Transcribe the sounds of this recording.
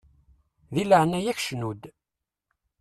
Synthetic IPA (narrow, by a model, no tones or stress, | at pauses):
ðiləʕnæjæçʃnud̪